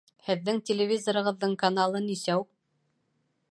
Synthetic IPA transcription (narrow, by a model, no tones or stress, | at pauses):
hɘ̆ðːɘŋtʲɪlʲɪvʲizoɾɤ̆ʁɤ̆ðːɤɴkɐnalˠɤnisæuq̚